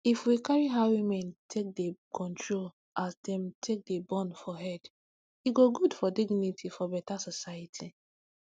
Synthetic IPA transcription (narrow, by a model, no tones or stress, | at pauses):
ifwikaɹiɦawimɛ̃ntʰek̚dekʰɔ̃ntɹol | ʔasdɛ̃mtʰek̚debɔ̃nfɔɦɛd | iɡoɡudfɔdiɡnitʰifɔbɛtasɔsajitʰi